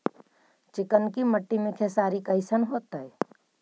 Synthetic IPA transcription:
t͡ʃɪkənkiməʈːimẽkʰesaːɾikəɪsənɦoːt̪əe

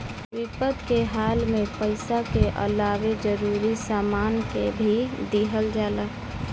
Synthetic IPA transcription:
ʋɪpəd̪keɦaːlmẽpəɪsakeʔə̰laːwed͡ʒəɾuɾisaːmaːnkebʱid̪iɦəld͡ʒaːlək

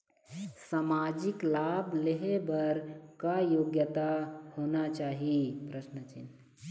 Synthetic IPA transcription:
saːmaːd͡ʒɪklaːbleɦebəɾkajoːɡjət̪ahonat͡ʃaːɦipɾəʃnət͡ʃḭn

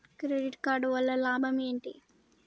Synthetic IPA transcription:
kɾeɖiʈkaːɾɖʋɐlːɐlaːbʱɐmeːɳʈi

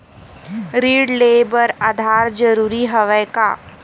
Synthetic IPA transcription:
ɾiːɖleːbəɾad̪ʱaːɾd͡ʒəɾuːɾiɦɐʋəjka̰ː

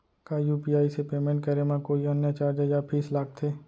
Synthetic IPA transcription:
kajuːpiːaːisepeːmẽɳʈ̚kəɾemãkoːiɐnjat͡ʃaːɾd͡ʒəd͡ʒaːbʰiːslaːk̚t̪ʰeː

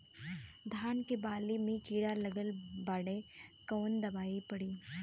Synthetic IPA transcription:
d̪ʱaːnkebaːlimẽkiːɽalɐɡəlbaːɽekoːnd̪ɐbaːipɐɽiː

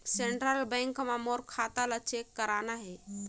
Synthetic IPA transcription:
seɳʈɾəlbɛ̃ŋkmamoɾkʰat̪alət͡ʃʰekːəɾanaɦɛ

